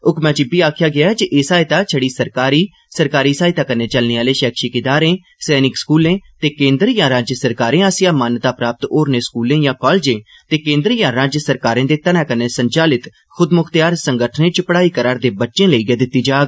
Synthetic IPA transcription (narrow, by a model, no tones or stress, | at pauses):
ʊkmɛ̃ːt͡ʃɪbiːaːkʰɪjaːɡɪaːɛd͡ʒiʔeːsaːɪt̪aːt͡ʃʰəɽiːsəɾkaːɾiː | səɾkaːɾiːsaːit̪aːkəneːt͡ʃəlneːaːleːʃɛːkʰʃiːkɪd̪aːɾẽː | sɛːnɪkskuːlẽːt̪eːkẽːnd̪əɾjãːɾaːd͡ʒjəsəɾkaːɾẽːaːsɪjaːmaːnt̪aːpɾaːp̚t̪oːɾneːskuːlẽːjãːkɔːlːd͡ʒẽː | t̪eːkẽːnd̪əɾjãːɾaːd͡ʒjəsəɾkaːɾẽːd̪eːt̪ənãːkəneːsəɲt͡ʃaːlɪt̪ | xʰʊd̪mʊkʰt̪jaːɾsəŋɡəʈʰnẽːt͡ʃpəɽaːiːkəɾaːɾd̪eːbətːʃẽːləiːɡeːd̪ɪt̪ːiːd͡ʒaːɡ